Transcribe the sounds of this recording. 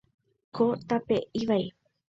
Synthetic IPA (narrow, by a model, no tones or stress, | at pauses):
kʰot̪apeʔiʋaj